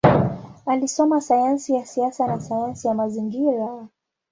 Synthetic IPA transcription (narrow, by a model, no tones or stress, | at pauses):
alisɔmasajansijasiasanasajansijamaziŋɡiɾa